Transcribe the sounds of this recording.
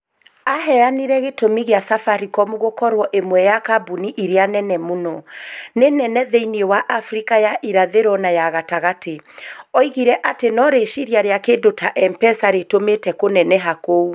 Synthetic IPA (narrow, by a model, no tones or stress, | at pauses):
aɦɛaniɾɛɣetomiɣeasafaɾikɔmuɣokɔɾwɔʔemwɛjakabuniʔiɾeanɛnɛmunɔnenɛnɛðeiniewaʔafɾikajaʔiɾaðeɾɔnajaɣataɣateɔiɣiɾɛʔatenɔɾeʃiɾjaɾeakedotʰaʔɛmpɛsaɾetometɛkonɛnɛɦakou